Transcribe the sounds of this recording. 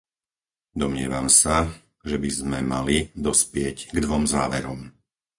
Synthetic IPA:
d̪ɔmɲɪɛ̰ʋamsa | ʒɛbizmɛmalid̪ɔspɪɛɟɡd̪ʋɔmza̰ːʋɛɾɔm

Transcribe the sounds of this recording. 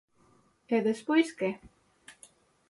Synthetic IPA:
eðespojske

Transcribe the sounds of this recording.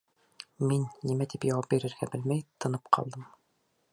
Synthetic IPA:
minːimæt̪ipjɑwɑp̚biɾɘ̆ɾɡæbɘlmæjt̪ʰɤ̆nɤpqʰɑ̰lˠd̪ɤm

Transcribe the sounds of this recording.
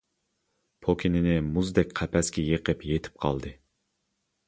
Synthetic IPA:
pʰokʲʰinɪnɪmuzd̪ɛkʲqʰæpʰɛskʲɛjeqəpjet̪ʰɪ̥p̚qʰɑ̰lˠd̪ɨ

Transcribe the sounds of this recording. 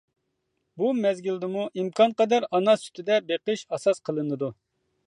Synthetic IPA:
bumɛzɡʲilˠd̪ɪmuʔimkʰɑnqɑd̪ɛɾɑnɑsy̥t̪ʰɪd̪ɛbeqəʃɑsɑsqʰəlˠɨnɨd̪u

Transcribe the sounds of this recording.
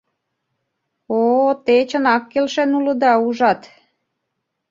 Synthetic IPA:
ot̪et͡ɕənɑkːelʃenulɤ̆d̪ɑuʒɑt̪

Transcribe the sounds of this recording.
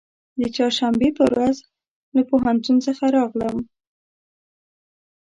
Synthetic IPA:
d̪ət͡ʃɑɾʃambepəwɾaz | lapoɦant̪unsəxaɾɑɣləm

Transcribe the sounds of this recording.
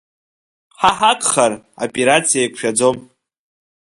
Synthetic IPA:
ħaħakʰʼχar | o̰pʼeɾat͡sʰijajkʷʰʼʃᶣad͡zo̞m

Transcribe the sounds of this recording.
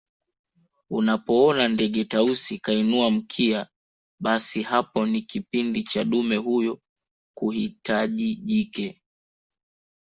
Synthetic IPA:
unapɔɔnandɛɠɛtausikainuam̩kʰia | ɓasihapɔnikipindit͡ʃaɗumɛhujɔ | kuhitaʄiʄikɛ

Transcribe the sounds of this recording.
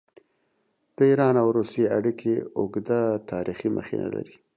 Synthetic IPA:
d̪̥əiɾɑnawɾusjeaɽikʰeʊɡd̪at̪ɑɾiximə̰xenʔa̰la̰ɾi

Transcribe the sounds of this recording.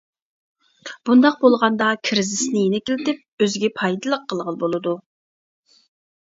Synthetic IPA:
b̥und̪ɑq̚bolˠʁɑnd̪ɑkʲʰiɾɪzɪsnɪjenɪkʲɪlɪt̪ɪp̚øzɡʲɛpʰɑjd̪ɨlˠəqʰːəlˠʁəlˠbolˠɨd̪u

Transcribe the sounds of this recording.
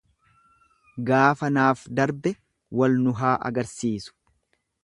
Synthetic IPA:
ɡaːfɐnaːfd̪ɐɾbɛ | wɐlnʊɦaːʔɐ̰ɡɐɾsiːsʊ̥

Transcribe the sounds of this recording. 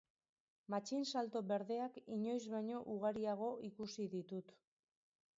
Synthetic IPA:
mat͡ʃinsalt̪o̞βe̞ɾðe̞akiɲo̞jzβaɲo̞ʔuɣ̞aɾiaɣ̞o̞ʔikusiðit̪ut̪

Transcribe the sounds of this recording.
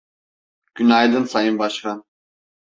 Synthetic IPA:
ɡ̥ynajd̪ɯnsajɯnbɑʃka

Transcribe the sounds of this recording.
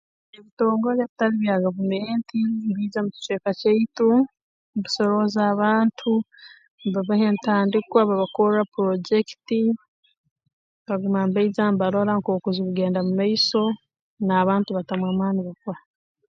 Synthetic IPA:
eβito̞ːŋɡoβjaβitaɾiβjaɡavumeːntimbiːzamuci̥t͡ʃeːkaceitu | mβisoɾo̞zaːβaːntʰu | mbaβahentaːndikwaβaβakoɾɾapuɾoɟekiti | βaɡumambaizambaɾoɾaŋkoːkuziβuɡe̞ːndamumaiso̞ | naːβaːntuβatamwamaːniβakwa

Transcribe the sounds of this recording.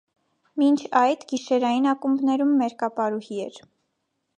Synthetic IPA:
mint͡ʃʰɑjd̪ɡiʃɛɾɑjinɑkumbnɛɾumːɛɾkɑpɑɾuhiɛɾ

